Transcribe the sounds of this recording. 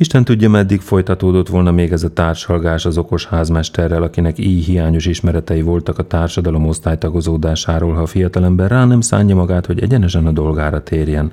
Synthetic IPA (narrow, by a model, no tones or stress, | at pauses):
iʃt̪ɛnt̪uɟːɒmɛd̪ːikfo̞jt̪ɒt̪oːd̪o̞t̪ʋo̞lnɒmeːɡɛzɒt̪aːrʃɒlɡaːʃɒzo̞ko̞ʃhaːzmɛʃt̪ɛrːɛlɒkinɛkiːjɦijaːɲo̞ʃiʃmɛɾɛt̪ɛjivo̞lt̪ɒkɒt̪aːrʃɒd̪ɒlo̞mo̞st̪aːjt̪ɒɡo̞zoːd̪aːʃaːɾoːlɦɒfijɒt̪ɒlɛmbɛraːnɛmsa̰ːɲːɒmɒɡaːt̪ho̞ɟɛ̰ɟɛnɛʃɛnɒd̪o̞lɡaːɾɒt̪ʰeːrjɛn